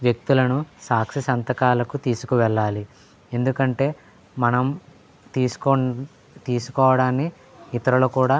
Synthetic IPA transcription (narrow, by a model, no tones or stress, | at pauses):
ʋjek̚t̪ulɐnusaːkʂisɐnt̪ɐkaːlɐkut̪iːsu̥kuʋɛɭːaːli | end̪ukɐɳʈe̞ː | mɐnɐm | t̪iːsko | t̪iːsu̥kɔːʋɐɽaːnːi | it̪ɐɾɐloːkuːɽaː